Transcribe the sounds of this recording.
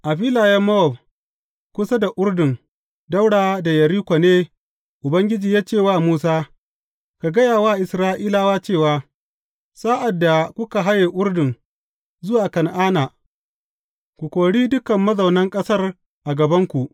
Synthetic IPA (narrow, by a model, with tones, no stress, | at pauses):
ʔa˨ɸiː˦laː˨jɐ˦mːɐ˦ɔ˨b̚ | kʷʊ˦sɐ˦da˨ʔʊ˦ɽdɪ˨ŋ | da˦wɽaː˨da˨jɐ˨ɾiː˦kʷa˨neː˦ | ʔʊ˨bɐ˦ŋɡʲɪ˦d͡ʒiː˨jaː˦t͡ʃeː˦˨waː˦˨muː˦saː˦ | ka˨ɡɐ˦jaː˨waː˦˨ʔɪ˨sɾaː˦ʔiː˦laː˦waː˦t͡ʃeː˦˨waː˦ | saː˦ʔa˨dːa˨kʷʊ˦ka˨ɦa˦jeː˨ʔʊ˦rdɪ˨ŋ | zʊ˦waː˨kɐ˨nʔaː˦na˨ | kʷu˨kʷoː˨ɽiː˦dʊ˦kɐ˨mːɐ˦zɐ˨wnɐ˦ŋkʼɐ˦sɐ˦r | ʔa˨ɡɐ˨bɐ˦ŋkʷu˨ʔ